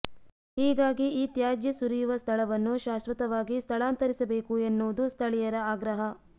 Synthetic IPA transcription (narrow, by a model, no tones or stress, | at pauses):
hiːɡaːɡiiːt̪jaːd͡ʒjɐsuɾijuʋɐst̪ʰɐɭɐʋɐnːuʃaːsʋɐt̪ɐʋaːɡist̪ʰɐɭaːnt̪ɐɾisɐbeːkuenːuʋud̪ust̪ʰɐɭijɐɾɐaːɡɾɐɦɐ